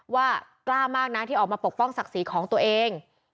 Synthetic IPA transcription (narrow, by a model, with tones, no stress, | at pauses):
waː˥˩klaː˧˩maː˥˩k̚na˦˥t̪ʰiː˥˩ʔɔ˨˩maː˧po˨˩k̚pɔ˥˩ŋsa˨˩k̚siː˩˦kʰɔː˩˦ŋt̪u˧ɐʔeː˧ŋ